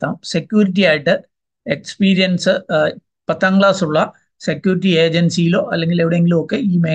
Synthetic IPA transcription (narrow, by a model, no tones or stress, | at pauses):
aːmse̞kjuːɾiʈ̬ːijaːjiʈːɨ | ekspiːɾijɐnsɨ | pɐt̪ːaːŋɡɭaːsuɭːɐ | se̞kːjuːɾiʈ̬ːie̞ːd͡ʑɐnsijilo̞ːʔɐlːeŋɡileʋiɽeeŋɡilumokːe̞iːmeː